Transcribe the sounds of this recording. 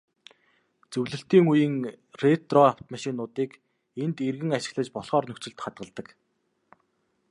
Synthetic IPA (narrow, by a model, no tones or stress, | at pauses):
t͡sɵwɮɘ̆ɬt̪iːŋujĭŋ | ret̪rɔaw̥t̪maʃɪ̆ːknːʊːt̪iːk | ent̪erɣɘ̆ŋaʃɪ̥̆ɣɮə̆t͡ɕpɔɮχɔːrnɵkt͡sɵ̆ɬt̪χat̪̚ɢə̆ɮt̪ə̆k